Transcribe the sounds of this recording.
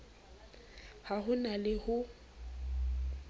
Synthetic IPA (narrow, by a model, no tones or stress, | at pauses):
haɦʊnalɪhʊ